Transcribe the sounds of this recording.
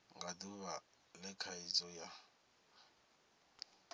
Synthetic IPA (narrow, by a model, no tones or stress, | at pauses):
ŋɡaduβa | lɛkʰait͡sʼɔja